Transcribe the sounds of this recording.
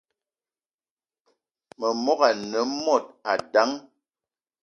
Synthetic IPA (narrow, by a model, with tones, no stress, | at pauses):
mə˨mɔ˦ɣa˨nə˨˦mɔ˦˨t̚a˨da˨˦ŋ